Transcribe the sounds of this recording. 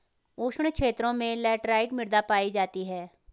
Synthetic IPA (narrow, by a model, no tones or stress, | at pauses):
oːʃəɳkʃʰeːt̪ɾõmẽlɛːʈɾaːɪʈmɪɾd̪aːpaːid͡ʒaːt̪iɦɛː